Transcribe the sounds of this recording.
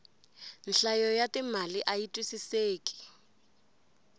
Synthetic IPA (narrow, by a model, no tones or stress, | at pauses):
n̩ɬajɔjatimaliʔaitʼwisiseːkʼi̥